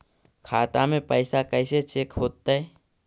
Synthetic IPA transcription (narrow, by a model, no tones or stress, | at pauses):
kʰaːt̪amẽpəɪsakɛɪset͡ʃeːkɦoːt̪ːaɦɛ